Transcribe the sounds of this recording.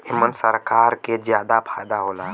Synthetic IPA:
ɪmənsəɾkaːɾked͡ʒjaːd̪apʰaːjd̪aɦoːlaː

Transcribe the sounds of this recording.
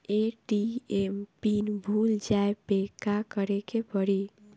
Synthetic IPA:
eɖiempinbʱuld͡ʒaepekakəɾekepəɽi

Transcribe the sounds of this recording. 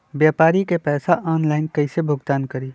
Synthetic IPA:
bjaːpaːɾikepɛːsaʔɔːnlaːɪnkɐɪsebʱʊɡt̪aːnkɐɾiː

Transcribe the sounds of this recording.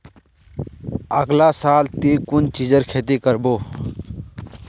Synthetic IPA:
əɡlaːsaːlt̪iːkʊnt͡ʃid͡ʒəɾkʰeːt̪ikəɾboː

